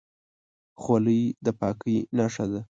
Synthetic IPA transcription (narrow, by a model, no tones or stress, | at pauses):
xwaləjd̪əpɑkəjnaʂad̪a